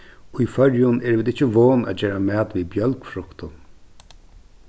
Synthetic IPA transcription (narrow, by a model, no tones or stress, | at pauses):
ʊjfœɹjʊnɛːɾʋɪːd̪ɪt͡ʃːɪʋoːnæ̰ːd͡ʒeːɾamæːt̪viːbjœlkfɾʊkt̪ʊn